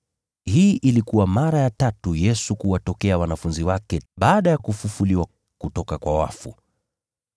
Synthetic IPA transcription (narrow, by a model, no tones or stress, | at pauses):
hiːʔilikuwamaɾajatatujɛsukuwatɔkɛawanafunziwakɛɓaːɗajakufufuliwa | kutɔkakwawa̰fṵ